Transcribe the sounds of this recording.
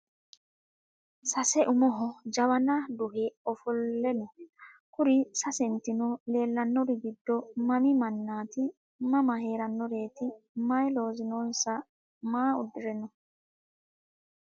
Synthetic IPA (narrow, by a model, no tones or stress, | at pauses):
sɐsɛʔʊmɔɦɔd͡ʒɐwɐnɐd̪ʊɦɛɔfɔlːɛnɔkʊɾɪsɐsɛnt̪ɪnɔle̞ːlːɐnːɔɾɪɡɪd̪ːɔmɐmɪmɐnːaːt̪ɪ | mɐmɐhe̞ːɾɐnːɔɾe̞ːt̪ɪmɐjlo̞ːzɪnoːnsɐ | maːʊd̪ːɪɾɛnɔ